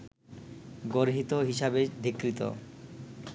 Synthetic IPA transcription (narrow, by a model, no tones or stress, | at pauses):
ɡoɾɦit̪oɦiʃabed̪ʱikɾit̪o̰